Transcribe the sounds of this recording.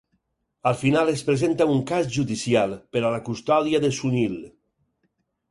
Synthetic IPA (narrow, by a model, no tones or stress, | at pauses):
alˠfinalespɾezent̪auŋkazʒuðisialˠpeɾalakust̪ɔðiaðesunil